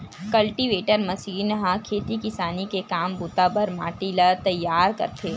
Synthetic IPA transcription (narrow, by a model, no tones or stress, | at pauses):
kɐlʈiʋeːʈəɾmɐʃiːnɦãkʰeːt̪ikɪsaːnikekaːmbuːt̪abɐɾma̰ːʈilɐt̪ɐjːaːɾkɐ̰ɾt̪ʰeː